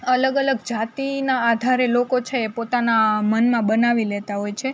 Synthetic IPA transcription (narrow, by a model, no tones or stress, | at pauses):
ələɡələɡd͡ʒat̪inaːd̪ʱaɾelokot͡ʃʰeːpot̪anamənmãbənaʋilet̪aɦojt͡ʃʰe